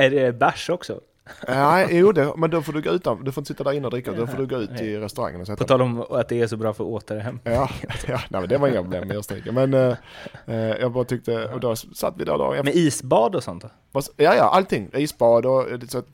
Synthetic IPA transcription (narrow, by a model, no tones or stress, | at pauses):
æɖɛbæʂɔksɔ̰ | næɪjuːd̪ɛmɛnd̪ɔfoːdɵɡoːʉ̟ːt̪and̪ɵfɔɾɪnəsɪt̪ːad̪æɾɪnːəɔd̪ɾɪkːad̪ɔffoːd̪ɵɡoːʉ̟ːt̪ʰːɪɾɛst̪ɵɾa̰ŋːə̰nɔsɛt̪pɔt̪ɑːlɔmat̪̚d̪ɛːʂɔbɾɑːfœɾɔoːt̪ʰadɛɦɛmːjɑːjɑːnæ̰ɪmɛnd̪ɛvaɾɪŋːapɾʊblḛːmːɛjɑst̪ḭkːəmɛn | jʔɑːɡbɑːɾat̪ʰʏk̚t̪əɔd̪ɔsa̰t̪ːvɪd̪æ̰ɾd̪ɑ̰ːɛnmɛiːsbɑːd̪ɔsɔnt̪ | vasjɑːjɑ̰ʔalt̪ʰɪŋːʔiːsbɑːd̪ɔsɔat̪